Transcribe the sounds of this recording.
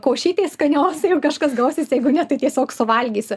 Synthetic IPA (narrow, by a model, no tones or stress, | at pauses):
koːʃʲiːt̪ʲeːskɐnʲoːsʲjɛʊkɑʃkɐsɡɐʊsʲisjɛɪɡʊnʲɛt̪ɐɪt̪ʲiɛsʲoːksʊʋɐlʲɡʲiːsʲɪ